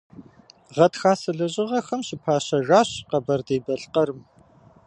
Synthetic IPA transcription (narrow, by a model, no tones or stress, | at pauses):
ʁɐtxaːsɨɮɐʑʼɪʁɐxɐmɕɪpʰaːɕɐʒaːɕqɐbɐrdeːbɐɬqɐɾɨm